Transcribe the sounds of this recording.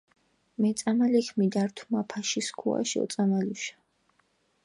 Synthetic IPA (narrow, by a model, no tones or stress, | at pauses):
mɛt̪sʼamalikʰmid̪aɾt̪ʰumapʰaʃiskʰṵa̰ʃɔ̰t̪sʼamaluʃḁ